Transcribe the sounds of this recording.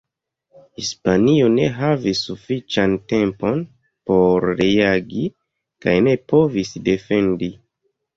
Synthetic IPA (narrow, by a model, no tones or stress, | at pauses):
hispanio̞ne̞ɦavisːufit͡ʃante̞mpo̞n | po̞ɾɾeaɡi | kajne̞po̞visde̞fe̞ndi